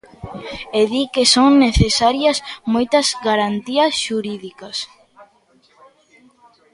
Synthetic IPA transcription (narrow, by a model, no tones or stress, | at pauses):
eðikesoŋneθesaɾjɐsmojt̪ɐzɡaɾant̪iɐsʃuɾiðikɐs